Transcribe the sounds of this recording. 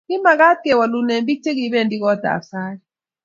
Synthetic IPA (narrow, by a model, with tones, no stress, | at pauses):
ki˦ma˨ka˦t̪̚kɛ˨wa˨lu˨ne˨mbi˦k̚tʰɛ˦k̬i˨˦ɓɛ˦˨ndʼi˦kɔ˨˦d̥ʱa̰˨saː˦ki